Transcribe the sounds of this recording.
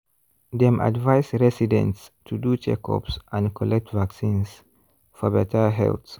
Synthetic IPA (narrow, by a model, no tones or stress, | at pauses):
d̪ɛ̃mʔa̰dvaɪsɹɛsidɛ̰̃ntstʰudut͡ʃɛ̰kʰɔ̰psʔãnkʰɔlɛk̚tvaksĩns | fɔbɛtʰəɦɛ̰lθ